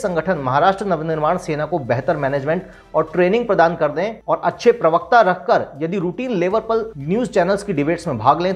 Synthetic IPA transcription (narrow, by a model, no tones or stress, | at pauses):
sɐ̃ŋɡəʈʰənmɐɦaːɾaːʃʈɾənɐʋnɪɾmaːɽ̃seːnakobɛɦt̪əɾmɛːneːd͡ʒmẽːɳʈ | ɔːɾʈɾeːnɪ̃ŋɡ̚pɾɐd̪aːnkɐɾd̪ẽɔːɾɐtːʃʰepɾɐʋək̚t̪aɾɐkʰkəɾjɐd̪iɾuːʈiːnleːʋəɾpɐɾnjuːzt͡ʃɛːnəlskiɖɪbeːʈsmẽbʱaːɡlẽ